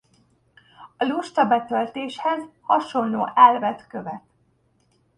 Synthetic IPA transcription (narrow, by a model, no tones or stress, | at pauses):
ɒluʃt̪ɒbɛt̪ølt̪eːʃhɛzhɒʃo̞nlo̰ːʔɛlvɛt̪kø̞vɛt̪